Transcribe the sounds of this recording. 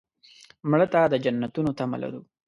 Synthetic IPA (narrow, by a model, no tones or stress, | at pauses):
mɽət̪ad̪əd͡ʒanːat̪unot̪ama̰la̰ɾu